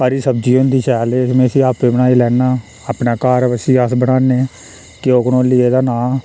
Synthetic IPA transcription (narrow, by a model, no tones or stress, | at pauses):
paːɾiːsəbd͡ʒiːond̪iːʃɛːleːmẽːəsiːaːpːeːbənaːiːlɛːnaː | aːpnaːkaːɾəsiːəsbəɽaːneː | kɪoːknoːlieːd̪aːnãː